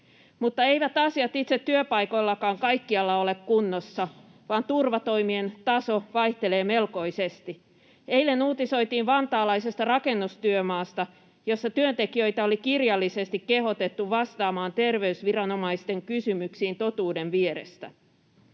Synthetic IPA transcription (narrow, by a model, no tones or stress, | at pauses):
mut̪ːɑe̞jʋæt̪ɑsiɑt̪it̪set̪ːyøpɑjko̞jlːɑkɑːŋkɑjkːiɑlːɑole̞kkunːosːɑʋɑːnt̪urʋɑt̪o̞jmie̞nt̪ɑso̞ʋɑjht̪e̞le̞ːme̞lko̞isest̪i | e̞ile̞nuːt̪iso̞jt̪iːnʋɑnt̪ɑːlɑise̞st̪ɑrɑke̞nːust̪yømɑːst̪ɑ | jo̞sːɑt̪yønt̪e̞kiø̞jt̪ɑo̞likirjɑlːise̞st̪ikke̞ɦo̞t̪et̪ːuʋɑst̪ɑːmɑːnt̪e̞rʋe̞ysʋirɑno̞mɑist̪e̞ŋkysymyksiːnt̪o̞t̪uːde̞ʋʋieɾḛst̪æ̰